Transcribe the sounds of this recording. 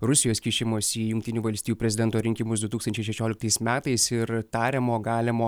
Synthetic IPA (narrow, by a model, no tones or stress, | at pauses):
ɾʊsʲɪjoːskʲiːʃʲɪmoːsiːjʊŋkʲt̪ʲɪnʲuːʋɐlʲsʲt̪ʲijuːpʲɾʲɛzʲɪd̪ʲɛnt̪oːɾʲɪŋʲkʲɪmʊsd̪ʊt̪uːkst̪ɐnʲt͡ʃʲɛɪʃʲɛʃʲoːlʲɪkt̪ɐɪsmʲæːt̪ɐɪsɪɾt̪ɑːɾʲɛmoːɡɑːlʲɪmoː